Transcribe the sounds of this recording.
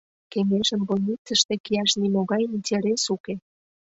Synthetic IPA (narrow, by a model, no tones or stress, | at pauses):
keŋeʒəmbolʲnit͡sə̆ʃt̪ĕkiɑʃnimoɣɑjinʲtʲeɾesuke